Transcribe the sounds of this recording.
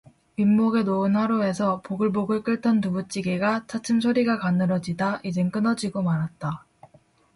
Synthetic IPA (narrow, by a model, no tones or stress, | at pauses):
imːoɡe̞noɯnhaɾoe̞sʰʌpoɡɯɭboɡɯɭk͈ɯɭtʰʌntubut͡ɕ͈iɡeɡat͡ɕʰat͡ɕʰɯms̬ʰoɾiɡakanːɯɾʌd͡ʑidaʔid͡ʑe̞ŋk͈ɯnʌd͡ʑiɡomaɾɦat̚t͈a